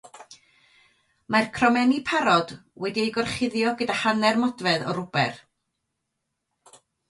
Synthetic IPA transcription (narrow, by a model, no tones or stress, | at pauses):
markʰrɔmɛnipʰaɾɔd̥wɛdiejɡɔrχɪðjɔɡədahanɛrmɔdvɛðɔ̰ɾʊb̥ɛ̰r